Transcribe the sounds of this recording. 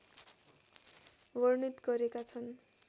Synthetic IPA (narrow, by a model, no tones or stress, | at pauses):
bʌrnit̪ɡʌɾekat͡sʰʌn